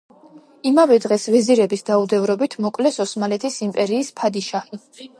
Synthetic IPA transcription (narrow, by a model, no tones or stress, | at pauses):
imavɛd̪ʁɛsvɛziɾɛbisd̪aud̪ɛvɾɔbit̪ʰmɔkʼlɛsɔsmalɛt̪ʰisimpʼɛɾiːspʰad̪iʃaχi